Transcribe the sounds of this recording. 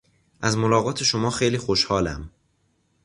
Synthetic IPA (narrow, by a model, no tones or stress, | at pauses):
ʔæzmolɒːɣɒːt̪ʰe̞ʃomɒːxejliːxoʃhɒːlæ̰m